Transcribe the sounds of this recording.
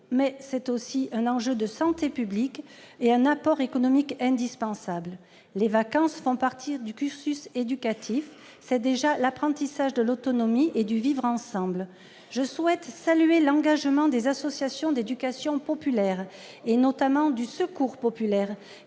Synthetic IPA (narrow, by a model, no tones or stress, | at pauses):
mɛsɛt̪osiɛ̃nɑ̃ʒød̪əsɑ̃t̪epyblik | eɛ̃napɔʁekɔnɔmikɛ̃d̪ispɑ̃sabl | levakɑ̃sfɔ̃paʁt̪ʰiʁd̪ykʲyʁsysed̪ykat̪ʰif | sɛd̪eʒalapχɑ̃t̪isaʒd̪əlot̪ɔnɔmiʔed̪yvivʁɑ̃sɑ̃bl | ʒəswɛt̪salyelɑ̃ɡaʒmɑ̃d̪ezasɔsjasjɔ̃d̪ed̪ykasjɔ̃pɔpylɛʁ | enɔt̪amɑ̃d̪ysəkuʁpɔpylɛʁ